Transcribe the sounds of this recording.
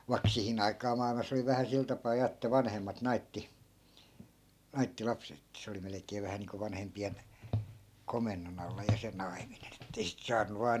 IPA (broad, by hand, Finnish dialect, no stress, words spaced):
ʋɑi̯k sihin ɑikɑː mɑˑilmɑs oli ʋæhæ sil tɑpɑː jɑ etːæ ʋɑnhemːɑt nɑitːi nɑitːi lɑpset etːæ̆ se oli melĕkˑeː ʋæhæ niːŋko ʋɑnhempien komenːon ɑlːɑ jɑ se nɑiminen etːei sit sɑːnːu ʋɑː